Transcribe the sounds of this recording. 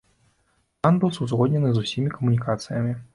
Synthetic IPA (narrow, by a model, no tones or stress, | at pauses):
t̪anbɨwsuzɣɔdʲnʲɛnɨzusʲimʲikɐmunʲikat̪sɨjɐmʲi